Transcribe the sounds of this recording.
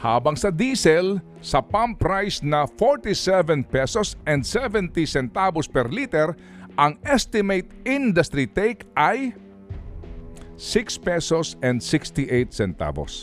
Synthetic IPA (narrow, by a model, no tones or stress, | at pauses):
haːbɐŋsɐd̪iːsɛl | sɐpãmpɾajsnɐfoɹt̪isɛvɛ̃npɛsɔsʔɛ̃nd̪sɛvɛ̃nt̪isɛnt̪abospɛɾlit̪ɛɾ | ʔɐŋʔɛst̪ɪmejt̪ĩnd̪ɐst̪ɾit̪ɛjkʔɐj | sɪkspɛsosɛ̃nd̪sɪkst̪iʔejt̪sɛnt̪a̰bo̰s